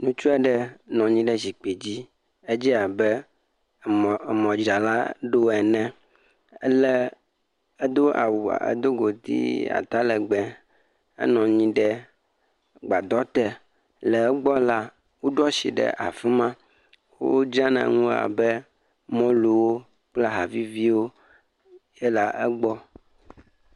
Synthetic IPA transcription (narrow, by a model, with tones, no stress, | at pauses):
nũ˦t͡ʃu˦ɛ˦ɖɛ˦nɔ̃˨ɲĩ˦ɖɛ˦zi˨k͡pe˨d͡ʑi˦ | e˦d͡ʑi˦a˨bɛ˦˨ | mɔ̃˨d͡ʒɾa˨la̰˦ɖo˦ɛ˨nɛ̃˦ | ɛ˦lɛ˦ | e˦d̪o˦a̰˨wu˨a̰˨ḛ˦d̪o˦ɡo˨t̪ḭ˦a̰˨t̪a˦lɛ˨ɡ͡bɛ̃˨ | ḛ˦nɔ̃˨ɲĩ˦ɖɛ˦ | ɡ͡ba˨d̪ɔ˦t̪ɛ˨ | lɛ˨ɛ˦ɡ͡bɔ˦la˦ | wo˦ɖɔ˦si˨ɖɛ̰˨ʔa̰˨fi˦mã˦ | wo̰˦wo˦d͡ʒa˦nã̰˨ŋũ˦a̰˨bɛ˦ | mɔ̃˦lu˨wo˦ | k͡pla˦ɦa˨vi˦vi˦wo˦ | je˦la˨ʔɛ˦ɡ͡bɔ˦